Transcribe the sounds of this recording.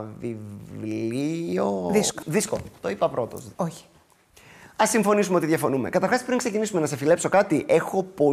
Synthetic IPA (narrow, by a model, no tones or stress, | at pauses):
vivlioðisko̥ðisko̰t̪o̞ipɐpɾo̞t̪o̞̰soçi̥ | ɐsːiɱfo̞nisumeo̞t̪iðʝɐfo̞nume̞̰kɐt̪ɐɾxɐspɾiŋkse̞cinisume̞nɐsefile̞pso̞kɐt̪iʔe̞xo̞po̞